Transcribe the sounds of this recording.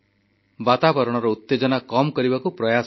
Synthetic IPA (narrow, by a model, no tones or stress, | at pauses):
bat̪abɔɾɔɽ̃ɔɾɔut̪ːed͡ʒɔnakɔmkɔɾibakupɾɔjas